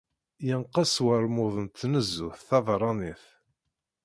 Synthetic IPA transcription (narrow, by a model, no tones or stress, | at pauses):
jənqɑswəɾˤmʊðˤənt̪ːnəzːuθθɑðɾˤɑniθ